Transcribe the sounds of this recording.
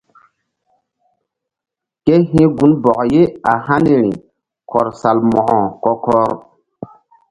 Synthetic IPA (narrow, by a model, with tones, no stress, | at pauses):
ke˦ɦĩ˦ɡu˦nbɔ˨ʔje˦a˨ha˦ne˨ɾḭ˨ | kʰɔ˨ɾsa˨lmɔ˨ʔɔ˨kɔ˦kɔ˦ɾ